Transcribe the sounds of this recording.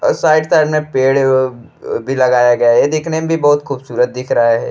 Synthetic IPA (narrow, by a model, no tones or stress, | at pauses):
saːɪɖt̪aɾmẽpeːɽ | bʱilɐɡaːjaɡɐjaɦɛjed̪ɪkʰnemẽbʱibɔːt̪xuːbsuːɾət̪̚d̪ɪkʰɾɐɦeɦɛ̰ː